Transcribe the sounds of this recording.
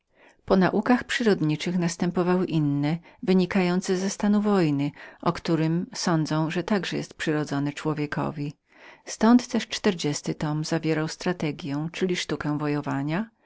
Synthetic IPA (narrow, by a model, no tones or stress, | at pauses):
pɔnaʔukaxpʂɘɾɔd̪ɲit͡ʂɘxnast̪ɛmpɔvawɘʔinːɛvɘɲikajɔnt̪sɛzɛst̪anuvɔjnɘʔɔkt̪uɾɘmsɔnd̪zɔ̃w̃ʐɛt̪aɡʐɛjɛ̰st̪pʂɘɾɔd̪zɔnɘt͡ʂwɔvʲjɛkʰɔ̰vʲi | st̪ɔnt̪ːɛʂt͡ʂt̪ɛɾd͡ʑɛst̪ɘt̪ɔmzavʲjɛɾawst̪ɾat̪ɛɡʲjɛw̃t͡ʂɘlʲiʂt̪ukɛw̃vɔjɔvaɲa